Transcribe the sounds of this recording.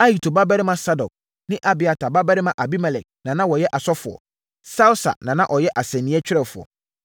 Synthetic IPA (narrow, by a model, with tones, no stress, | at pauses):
a˦ji˨tʰo˨ba˦bɛ˦ɾɪ˦mã˨sa˦dɔ˨k̚ | nɪ̃˦ʔa˨bɪ˨a˨tʰa˨ba˦bɛ˦ɾɪ˦mã˨ʔa˨bi˦mɛ˨lɛ˨k̚nã˨nã˦wɔ˨jɛ˦ʔa˨sɔ˦fʊ˨ɔ̰˨ | sa˦ʊ˦sa̰˨nã˨nã˦ʔɔ˨jɛ˦ʔa˨sɛ̃˨nːĩ˨˦ɛ˦t͡ɕᶣɪ˦ɾɛ˦˨fʊ˨ɔ̰˨